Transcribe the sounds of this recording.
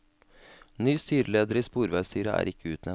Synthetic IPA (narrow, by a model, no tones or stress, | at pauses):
nyːst̪yːɾəleːd̪əɾiːspuːɾʋæɪst̪ʰyːɾəʔæ̰ːɾɪkʰəʉːt̪nɛ